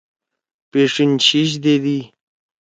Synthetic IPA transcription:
peʂint͡ɕiɕ̬d̪ed̪i

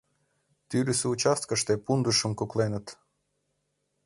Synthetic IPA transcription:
t̪yɾʲysɘut͡ɕɑst̪̚kəʃt̪epund̪uʃə̆mkuklenə̆t̪

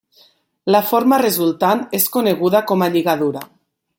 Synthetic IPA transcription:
lafoɾmarezulˠt̪aneskoneɣ̞uðakomaʎiɣaðuɾa

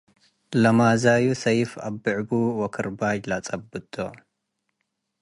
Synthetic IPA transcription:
lɐmazajusɐjfabːɨʕbuwɔkʰɨɾbad͡ʒlat͡sʼɐbːɨt̪ʰʼːo

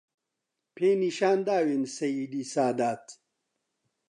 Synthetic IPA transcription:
pʰeːniʃaːnd̪aːwensɐjid̪iːsaːd̪aːt̪

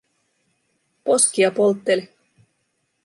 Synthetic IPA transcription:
poskiɑpolˠt̪ːelʲ

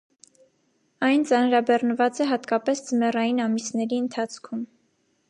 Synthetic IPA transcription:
ɑjnt͡sɑnɾɑbɛrnəvɑt͡sɛɦɑt̪kɑpɛsd͡zəmɛrɑjinɑmisnɛɾiənt̪ʰɑt͡sʰkʰum

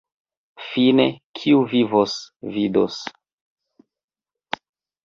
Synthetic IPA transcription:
finekʰiuvivosvido̰s

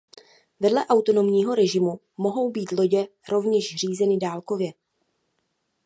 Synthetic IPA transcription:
vɛdlɛʔawt̪o̞no̞mɲiːɦo̞ɾɛʒɪmu | mo̞ɦo̞wbiːt̪lo̞ɟɛ | ɾo̞vɲɛʃr̝iːzɛnɪdaːlko̞vjɛ

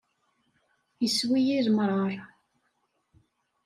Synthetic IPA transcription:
jəswijiɾmɾˤɑɾˤ

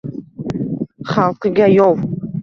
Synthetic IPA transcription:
χalˠqɨɡʲajɒw

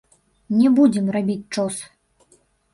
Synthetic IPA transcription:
nʲɛbud͡zʲɛmrabʲit͡sʲt͡ʂɔs

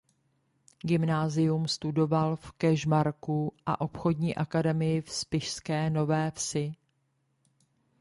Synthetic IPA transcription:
ɡɪmnaːzɪjumst̪udo̞valfkɛʒmaɾkuʔa̰ʔo̞pxo̞dɲiːʔakadɛmɪjɪfspɪʃskɛːno̞vɛːfsɪ

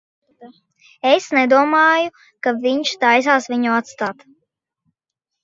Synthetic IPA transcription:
esnɛd̪uɔmɑːju | kaviɲʃt̪ajs̬aːsviɲuat̪st̪aːt̪

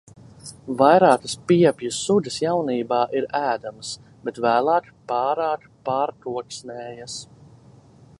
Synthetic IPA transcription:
vajɾaːkə̥spiɛpjusud̪ʲəsjawniːbaːʔiɾæːd̪ams | bet̪væːlˠaːt̪pɑːɾaːt̪paːɾt̪uɔksnɛːjas

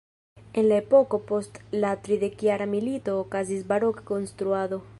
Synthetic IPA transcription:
enlaepokopost̪lat̪ɾiðekjaɾamilit̪okazizbaɾokkonst̪ɾuaðo

